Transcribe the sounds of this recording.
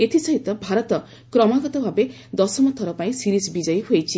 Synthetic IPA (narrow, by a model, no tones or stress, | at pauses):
et̪ʰisɔɦit̪ɔbʱaɾɔt̪ɔ | kɾɔmaɡɔt̪ɔbʱabe | d̪ɔsɔmɔt̪ʰɔɾɔpaĩsiɾisbid͡ʒɔjɦojt͡ʃʰi